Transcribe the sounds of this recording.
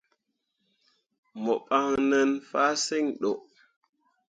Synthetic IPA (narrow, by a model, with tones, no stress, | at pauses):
mo˨ɓa˦ŋnə˦nfaː˦se˦ŋɗo˨ʔ